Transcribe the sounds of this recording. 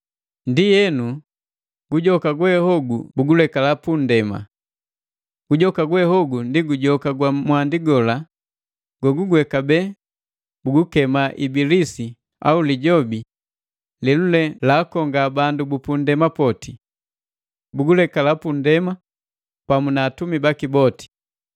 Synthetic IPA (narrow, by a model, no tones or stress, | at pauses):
ndijɛnu | ɡ̥uɟɔkaɡwɛhɔɡubuɡulɛkalapundɛma̰ | ɡ̥uɟɔkaɡwɛhɔɡundiɡuɟɔkaɡwamwandiɡɔla | ɡ̥waɡuɡwɛkabɛː | buɡukɛmaʔibilisi | a̰uliɟɔbi | lilulɛlaːkɔŋɡabandubupundɛmapɔti | buɡulɛkalapundɛma | pamunaːtumibakibɔti̥